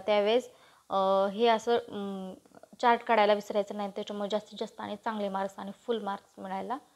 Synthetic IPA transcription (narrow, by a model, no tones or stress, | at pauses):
t̪jaʋed͡z | ɦeəsə | t͡ɕaɾʈkaɽajlaʋisɾjajt͡sənaɦit̪et͡ɕəməd͡ʑast̪id͡zast̪əaɽ̃it͡sãŋɡliːmaɾsaɽ̃ifulmaɾsmiɭajla